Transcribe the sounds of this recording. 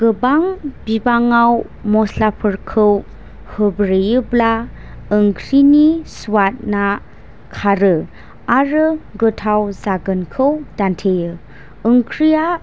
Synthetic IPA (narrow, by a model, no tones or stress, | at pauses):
ɡ̥ɯbaŋbibaŋaw | mɔslapʰɯɾkʰɯw | hɯbɾejɯbla | ɯŋkʰɾinisuwat̚na | kʰaɾɯ | aɾɯɡɯtʰawzaɡɯnkʰɯwdantʰejɯː | ŋkʰɾija